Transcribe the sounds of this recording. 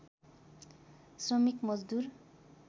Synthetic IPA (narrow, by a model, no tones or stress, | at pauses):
srʌmikmʌd͡zd̪ur